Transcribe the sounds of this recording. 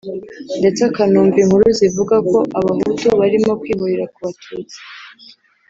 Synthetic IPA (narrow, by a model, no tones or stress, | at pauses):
nde̞t͡sakanuːɱviŋhuɾuzivuɡako̞ʔaβaɦutuβaɾimo̞kwiːβuɾiɾakuβatʰuːt͡si̥